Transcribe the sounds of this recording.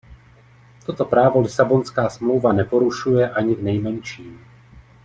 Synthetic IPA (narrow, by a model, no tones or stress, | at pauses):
t̪ot̪opɾaːvo̞lɪsabonskaːsmlowvanɛpo̞ɾuʃujɛʔaɲivnɛjmɛnʃiːm